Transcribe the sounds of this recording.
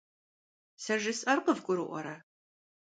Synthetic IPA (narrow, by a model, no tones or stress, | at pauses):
sɐʒɨsʼɐrqəvɡʷʊɾɨʔʷɔ̰ɾɐ